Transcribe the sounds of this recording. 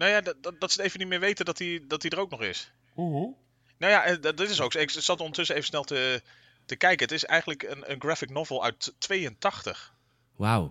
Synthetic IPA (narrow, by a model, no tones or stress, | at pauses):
nojaːdddɑtsəejvənitmɪːɹʋejtədɑtidɑtidərowknɔχɪ̰s | u | nowjaʔɛnddɪtɪsowksɪkstɑtɔndətʏsəejvəsnɛlˠtə | təkɛjkəətɪsɛ̰jχənləkənə̰nɡrɛfɪknɔvlˠœ̰ɥtʋejəntɑχtə̰χ | wa̰w